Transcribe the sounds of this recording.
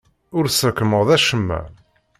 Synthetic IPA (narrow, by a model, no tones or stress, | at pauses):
ʊɾsəɾkːəməʁðæʃəmːæ̰